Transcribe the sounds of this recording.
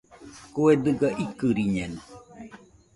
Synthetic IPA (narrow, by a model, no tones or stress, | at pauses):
kued̪ɨɡaʔikɨɾiɲenu